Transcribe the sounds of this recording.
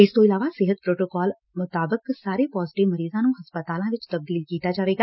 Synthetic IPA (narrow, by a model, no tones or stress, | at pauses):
ɪst̪oɪlaːʋaːsɪɦət̪̚pɾoːʈoːkɔːl | mʊt̪aːbəksaːɾepɔːzɪʈɪʋməɾiːzãːnũːɦɐspət̪aːlãːʋɪt͡ʃt̪əb̚d̪iːlkiːt̪ad͡ʒaːʋeːɡaː